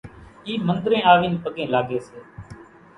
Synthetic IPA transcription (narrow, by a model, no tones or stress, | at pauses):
iːmənd̪ɾẽːaːʋiːnpəɠẽːlaːɡeːseː